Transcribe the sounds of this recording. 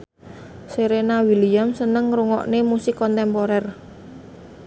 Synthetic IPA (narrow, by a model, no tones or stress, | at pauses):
seɾenawiliamsənəŋɾuŋɔ̰ʔnemusikɔnt̪ɛmpoɾɛr